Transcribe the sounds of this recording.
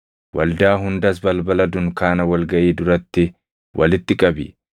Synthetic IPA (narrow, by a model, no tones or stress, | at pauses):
wʔɐ̰ld̪aːɦʊnd̪ɐs̬bɐlbɐlɐd̪ʊŋkaːnɐwɐlɡɐʔiːd̪ʊɾɐt̪ːɪ | wʔɐ̰lɪt̪ːɪkʼɐbɪ̰